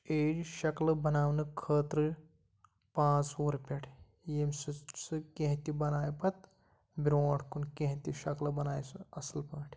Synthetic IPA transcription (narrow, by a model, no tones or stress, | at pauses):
eːd͡ʒʃɐklɐbɐnaːwnɨkʰəːt̪ɾɨ | pãːt͡soːɾpʲaːʈʰ | jemsɨsɨkẽɦt̪ibɐnaːjpɐt̪ | bʲɾoːʈʰkunkẽɦt̪iʃɐklɐbɐnaːjsɨɐsɨlpaːʈʰ